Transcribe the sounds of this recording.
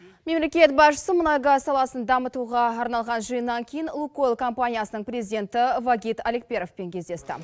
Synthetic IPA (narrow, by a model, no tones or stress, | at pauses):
me̞mle̞kʲe̞t̪̚bɑʃə̥səmʊnɑjɡɑsɑlˠɑsənd̪ɑmət̪uʁɑːɾnɑlˠʁɑnʒəjənːɑŋkʲʰejɪnlˠukolˠkʰo̞mpanʲijasənəɴpɾezid̪ʲe̞nt̪ɪvaɡʲit̪alek̚pʲe̞ɾofpe̞ŋkʲʰe̞zd̪e̞st̪ɪ̰